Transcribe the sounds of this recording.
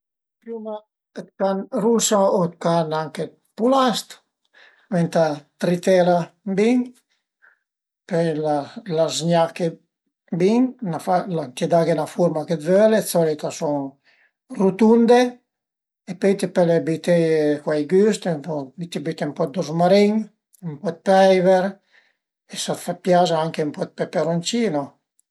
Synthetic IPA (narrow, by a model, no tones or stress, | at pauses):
pjuma | ət̪̚kanɾusaot̪̚kanaŋke | pulast̪ | mɛnt̪at̪ɾit̪ɛlabiŋ | pɛjlalazɲake | biŋnafalant̪ed̪aɡenafuɾmaked̪vølet͡sɔlit̪asɔŋ | rut̪und̪e | epɔjt̪epɛlebit̪ekwajɡyst̪empɔit̪ibit̪empɔd̪ozmaɾiɲ | mpɔt̪̚pɛjveɾ | esat̪fapːjazaaŋkeumpɔt̪̚pepeɾont͡ʃiːno